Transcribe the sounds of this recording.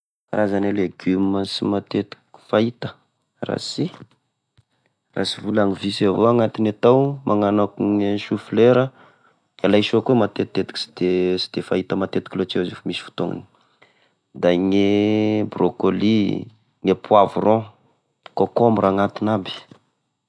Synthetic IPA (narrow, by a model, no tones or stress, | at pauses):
ɾazaneleɡyməsimat̪et̪i̥kʲi̥fait̪ə̥ | ra̰si | ra̰sivulaŋivisavoaŋat̪inat̪awmʔaŋanakuŋeʃufileɾə | alajʃokemat̪et̪ːet̪i̥ki̥si̥d̪̥esi̥d̪̥efait̪əmat̪et̪i̥kilot͡ʃezifamisi̥fu̥t̪oŋḭni̥ | d̪aŋebrokoli | ŋepwavuro | kokomuɾaŋat̪inabi̥